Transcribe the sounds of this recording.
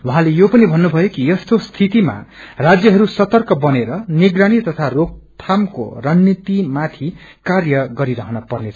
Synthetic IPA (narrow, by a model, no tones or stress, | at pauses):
wuɦãlejopʌnibʱʌnːubʱʌjokijʌst̪ost̪ʰit̪ima̰rad͡zjʌɦʌɾusʌt̪ʌrkʌbʌneɾʌniɡrañit̪ʌt̪ʰarok̚t̪ʰamko̰rʌnːit̪imat̪ʰi | karjʌɡʌɾiɾʌɦʌnʌpʌrneʌ̥